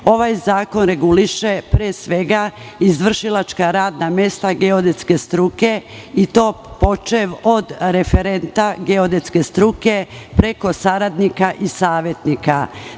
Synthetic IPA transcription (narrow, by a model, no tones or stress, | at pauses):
o̞ʋajzaːko̞nɾe̞ɡuliʃe̞pɾeːsʋe̞ɡa | izʋr̩ʃilat͡ʃkaɾaːd̪namje̞st̪aɡeod̪e̞t̪ske̞st̪ɾuke̞ | it̪o̞ː | po̞t͡ʃeʋod̪ɾe̞fe̞ɾe̞nt̪aɡe̞od̪et̪ske̞st̪ɾuke̞pɾe̞ko̞saɾad̪nikaʔisaːʋje̞t̪nika